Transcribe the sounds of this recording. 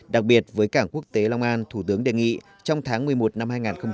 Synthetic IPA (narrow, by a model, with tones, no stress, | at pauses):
ɗa˨˩k̚ɓi˨˩ət̚vəː˨˦jkaː˧˩ŋku˦˥ək̚t̪e˨˦la˧wŋ͡mʔaː˧nt̪ʰu˧˩t̪ɨ˨˦əŋɗe˨˩ŋḭ˧˨ | t͡ɕɔ˧wŋ͡mt̪ʰaː˨˦ŋmɨ˨˩əjmo˨˩t̚na˧mhaː˧jŋaː˨˩nxə˧ŋ͡m